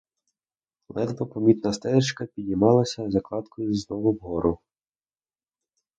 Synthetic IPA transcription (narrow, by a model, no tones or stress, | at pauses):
lˠɛd̪bɔpɔmʲit̪nɐst̪ɛɾɪt͡ʃkɐpʲid̪ʲnʲimɑlˠɐsʲɐzɐklˠɑt̪kʰɔjʊznɔʋʊwɦɔɾʊ